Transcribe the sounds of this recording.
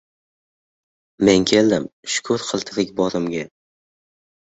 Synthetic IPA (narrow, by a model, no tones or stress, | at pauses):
me̞ŋkʲʰe̞ld̪ɪmʃʊ̥kʰʊɾqʰɨlˠt̪ʰɨɾɪkʲbɒɾɪmɡʲa